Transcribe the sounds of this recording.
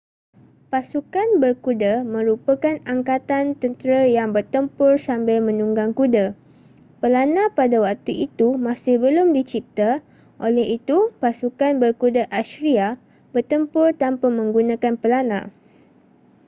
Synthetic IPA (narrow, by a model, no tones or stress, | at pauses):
pasukanbərkudəmə̃ɾupəkanaŋkat̪ant̪ənt̪əɾajaŋbərt̪əmpʊrsambajmə̃nuŋɡaŋkudə | pəlanãpadawak̚t̪uʔit̪umãsɪhbəlʊmdit͡ʃip̚t̪a | ʔolɛɦit̪upasukanbərkudəʔasɾia | bərt̪əmpʊrt̪ampamə̃ŋɡunãkanpəlanã̰